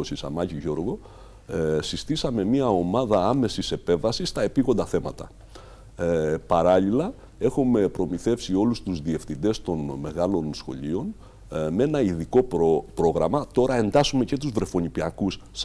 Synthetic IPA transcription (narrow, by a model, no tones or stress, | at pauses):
osisɐ̰mɐciʝo̞ɾɣo̞ | sist̪isɐme̞miɐo̞mɐðɐɐme̞sise̞pe̞vɐsist̪ɐe̞piɣo̞nd̪ɐθe̞mɐ̰t̪ɐ̰ | pɐɾɐʎilɐ | e̞xume̞pɾo̞miθe̞fsio̞lust̪uzðie̞fθind̪e̞st̪o̞nme̞ɣɐlo̞nsxo̞̰ʎio̞n | me̞nɐiðiko̞ppɾo̞ɣɾɐmɐt̪o̞ɾɐe̞nd̪ɐsume̞ce̞t̪uzvɾe̞fo̞nipiɐkuss